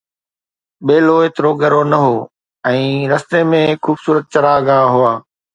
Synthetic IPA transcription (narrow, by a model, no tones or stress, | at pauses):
ɓeːloet̪ɪɾoːɡəɾonɐɦoː | ɛ̃ːɾɐst̪emẽkuːbsuːɾət̪̚t͡ɕɐɾaːɡaːɦʊaː